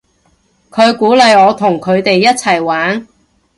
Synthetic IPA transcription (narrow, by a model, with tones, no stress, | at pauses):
kʰɵ˨˧ɥkuː˨˥lɐ˨˧jɔː˨˧t̪ʰʊ˨˩ŋkʰɵ˨˧ɥt̪e˨jːɐ˥t̚t͡sʰɐ˨˩jwaː˨˥n